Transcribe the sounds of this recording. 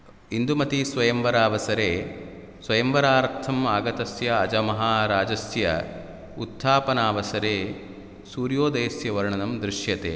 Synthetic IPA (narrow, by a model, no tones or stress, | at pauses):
ind̪umɐt̪isʋɐjɐmʋɐɾaːʋɐsɐɾeː | sʋɐjɐmʋɐɾaːɾt̪ʰɐmaːɡɐt̪ɐsjɐːd͡ʒɐmɐɦaːɾaːd͡ʒɐsjɐ̰ | ut̪ʰːaːpɐnaːʋɐsɐɾeː | suːɾjoːd̪ɐːsjɐʋɐɾɐɳɐnɐmd̪ɾiʃjɐt̪ḛː